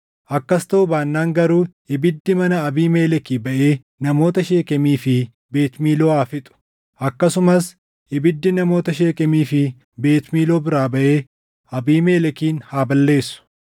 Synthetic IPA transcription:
ʔɐkːɐst̪ɐʔʊbaːnːaːŋɡɐɾuː | ɪbɪd̪ːɪmɐnɐɐbiːmeːlɛkiːbɐʔeː | nɐmo̞ːt̪ɐʃeːkɛmiːfɪ | be̞ːt̪miːlo̞ːaːfɪt̪ʼʊ̥ | ʔɐkːɐsʊmɐs | ɪbɪd̪ːɪnɐmo̞ːt̪ɐʃe̞ːkʼɛmiːfɪ | be̞ːt̪miːlo̞ːbɪɾaːbɐʔeː | ʔɐbiːmeːlɛkiːnhaːbɐlːe̞ːsːʊ̥

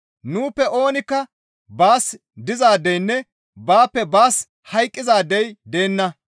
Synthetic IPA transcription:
nuːpːɛʔo̞ːnɪkːɐ | baːs | d̪ɪzaːd̪ɛjnːɛ | baːpːɛbaːs | hɐjkʼːɪzaːd̪ːɛjd̪e̞ːnːɐ

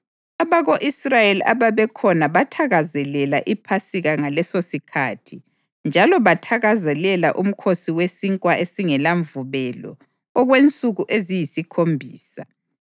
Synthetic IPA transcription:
aβaɣoʔisrajelia̰βaβɛkʰɔnaβatʰaɣazɛlɛlaʔipʰasiɣaŋalɛsosikʰatʰi | nd͡ʒʱalɔβatʰaɣazɛlɛlaʔum̩kʰosiwesiŋkʼwaʔesiŋɛlaɱvuβɛlɔ̰ː | ɣwent͡sʼuɣuʔezijisikʰombʱiːsa

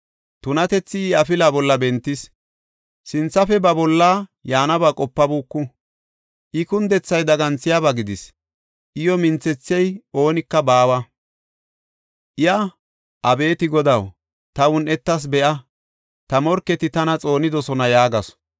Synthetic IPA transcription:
t̪ʊnɐt̪ɛt͡sːɪːɐfɪlaːbɔlːɐbɛnt̪ːɪs | sɪnt͡sːɐfɛbɐbɔlːaːjaːnɐbakʼɔpːɐbuːkːʊ | ʔɪkʊnd̪ɛt͡sːɐjd̪ɐɡɐnt͡sɪjabɐɡɪd̪ɪs | ʔɪjɔmɪnt͡sːɛt͡sːɪjɛjo̞ːnɪkːɐbaːwɐ | ʔɪjɐ | ʔɐbe̞ːt̪ɪɡɔd̪ɐw | t̪ɐwʊnɛt̪ːɐs̬bɛʔɐ | t̪ɐmɔɾkːɛt̪ɪt̪ɐnɐt͡sʼo̞ːnɪd̪ɔsɔnɐjaːɡɐs

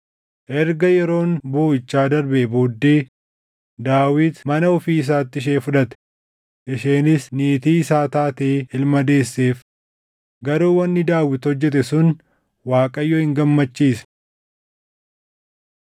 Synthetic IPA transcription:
ʔɛɾɡɐjɛɾo̞ːnboːɪt͡ʃːaːd̪ɐɾbɛboːd̪ːeː | d̪aːwɪt̪mɐnɐɔfiːɪs̬aːt̪ːɪʃ̬eːfʊᶑɐt̪ɛ̥ | ʔɪʃeːnɪsniːt̪iːɪsaːt̪aːt̪eːɪlmɐd̪e̞ːsːe̞ːf | ɡɐɾuːwɐnːɪd̪aːwɪt̪hɔd͡ʒːɛt̪̬ɛsʊn | waːkʼɐjːoːhɪŋɡɐmːɐt͡ʃːiːsɐ̥

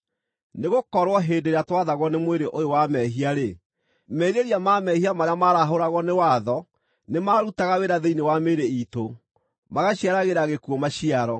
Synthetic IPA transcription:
neɣokɔɾwɔɦedeɾeatwaðaɣwɔnemweɾeʔojowamɛɦiaɾe | mɛɾeɾiamamɛhiamaɾeamaɾaɦoɾaɣɔnewaðɔ | nemaɾutaɣaweɾaðeinewameɾeito | maɣaɕiaɾaɣeɾaɣekuɔmaɕiaɾɔ

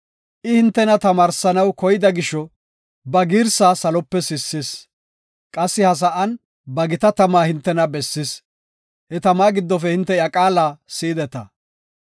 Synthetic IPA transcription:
ʔɪhɪnt̪ːɛnɐt̪ɐmaːɾsɐnɐwkɔjɪd̪ɐɡɪʃːɔ | bɐɡiːɾsaːsɐlɔpːɛsɪsːɪs | kʼɐsːɪhɐs̬ɐʔɐn | bɐɡɪt̪ɐt̪ɐmaːhɪnt̪ːɛnɐbɛsːɪs | hɛt̪ɐmaːɡɪd̪ːɔfɛhɪnt̪ːɛjɐkʼaːlaːsiːd̪ɛt̪ɐ̰

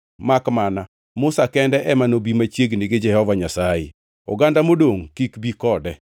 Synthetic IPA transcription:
makmana | mʊsakɛndɛʔɛmanobimat͡ʃjeɡnɪɡɪd͡ʒɛhɔvaɲasajɪ̰ | ɔ̰ɡandamodoŋkikbikɔdɛ

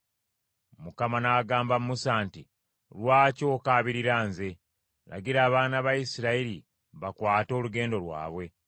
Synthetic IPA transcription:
mukamanaːɡaːmbamumusaːnti | lwaːco̞ːkaːβiɾiɾaːnze̞ | lʔa̰ɡiɾaːβaːnaβajisiɾaiɾi | βakwaːto̞ːluɡe̞ːndo̞wa̰ːβwe̞

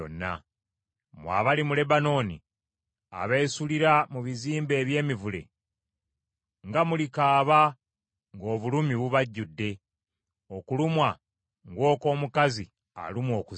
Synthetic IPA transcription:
o̰nːa̰ | mwa̰ːβalimule̞bano̞ːnḭ | a̰βe̞ːsuliɾamuβiziːmbe̞ːβje̞ːmivule̞̰ | ŋɡamulikaːβa | ŋɡo̞ːβulumiβuβaɟːudːe̞ | okulumwa | ŋɡwo̞ːko̞ːmukazi | a̰lumwo̞ːku

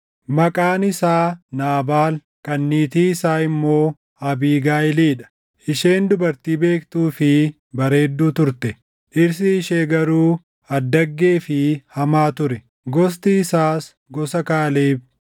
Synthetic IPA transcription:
mɐkʼaːnɪsaːnaːbaːl | kʼɐnːiːt̪iːɪsaːɪmːo̞ː | ɐbiːɡaːɪliːᶑɐ̥ | ʔɪʃe̞ːnd̪ʊbɐɾt̪iːbe̞ːkt̪uːfɪ | bɐɾe̞ːd̪ːuːt̪ʊɾt̪ɛ | ʔɪɾs̬ɪːʃeːɡɐɾuː | ɐd̪ːɐɡːe̞ːfɪhɐmaːt̪ʊɾɛ | ɡɔs̬t̪iːsaːs | ɡɔsɐkaːleːb

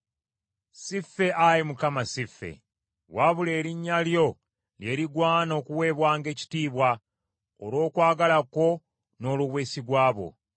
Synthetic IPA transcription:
sifːe̞ʔajimukamasifːe̞̰ | waβule̞ːɾiɲːaljo̞ | lje̞ːɾiɡwaːno̞ːkuwe̞ːβwaːŋɡe̞ːci̥tiːβwa | o̰lo̞ːkwaːɡalako̞ | no̞ːluβweːsiɡwaːβo̞̰

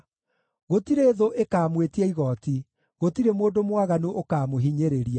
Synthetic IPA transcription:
ɣotiɾeːðoʔekaːmwetiɛiɣɔti | ɣotiɾemoːdomwaɣanuʔokaːmoɦiɲeɾeɾia

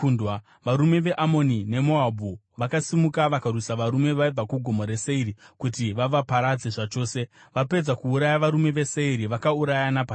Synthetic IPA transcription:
undwa | ʋaɾume̞ʋe̞ʔamo̞nine̞mo̞abʱu | ʋakasimukaʋakarwisaʋaɾume̞ʋaib͡vakuɡʱo̞mo̞ɾe̞seiɾikutiʋaʋapaɾad͡ze̞ʐat͡ʃo̞ːse̞ | ʋape̞d͡zakuːɾajaʋaɾume̞ʋe̞se̞iɾiʋakauɾajanapa

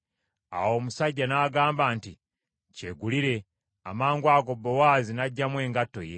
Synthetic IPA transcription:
a̰wo̞ːmusaɟːanaːɡaːmbaːnti | ceɡuliɾe̞ | amaːŋɡwaːɡo̞bːowaːzinaɟːamwe̞ːŋɡatːo̞̰je̞̰

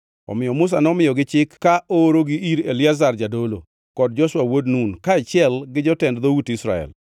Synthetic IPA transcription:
ɔ̰mɪjɔmʊs̬anɔmɪjɔɡɪt͡ʃɪkːaoɾoɡɪʔiɾelɪazard͡ʒadolo̰ | kɔd̚d͡ʒɔʃwawodnunkaat͡ʃɪɛlɡɪd͡ʒɔtɛndðowutisɾa̰ɛ̰l

